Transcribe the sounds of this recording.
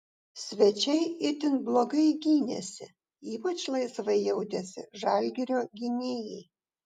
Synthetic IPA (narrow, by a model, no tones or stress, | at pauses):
sʲʋʲɛt͡ʃʲɛɪɪt̪ʲɪnblˠoːɡɐɪɡʲiːnʲɛ̰sʲɪ̰ | iːpɐt͡ʃlˠɐɪsʋɐɪjɛʊd̪ʲɛsʲɪ̰ʒɑːlʲɡʲɛɾʲoːɡʲɪnʲeːjɛɪ